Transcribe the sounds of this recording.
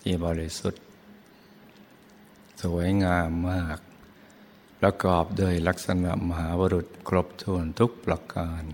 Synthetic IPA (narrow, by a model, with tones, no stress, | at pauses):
t̪ʰiː˧˩bɔː˧˩ɾi˦˥su˨˩t̪̚ | su˩˦əjŋaː˧mːaː˥˩k̚ | pɾa˧kɔː˨˩p̚doː˧˩jla˦˥k̚sa˧na̰˨˩ma˧ɦaː˩˦baː˧ɾu˨˩t̪̚kʰɾo˦˥p̚t̪ʰu˧ənt̪ʰu˦˥k̚pɾa˧kaː˧n